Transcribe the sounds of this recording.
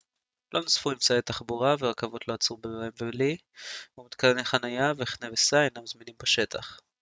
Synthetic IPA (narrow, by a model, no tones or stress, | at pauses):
lʔo̞nosfuimt͡saet̪aχbuʁaveakavot̪lo̞at͡subevaimveli | umit̪kalneχanajaveχnevesanamzminimbaʃe̞t̪ʰa̰χ